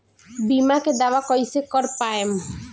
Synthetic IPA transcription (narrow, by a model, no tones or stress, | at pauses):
bimaked̪awakɔjsekɔɾpaem